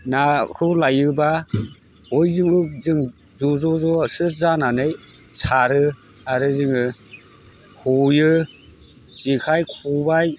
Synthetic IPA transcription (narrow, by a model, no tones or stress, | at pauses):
nakʰɯlajɯba | ɔjzɯmɯk̚zɯŋ | zuzɔzɔsɯzananɯjsaɾɯ | aɾɯzɯŋɯ | hujɯ | zikʰajkʰubaj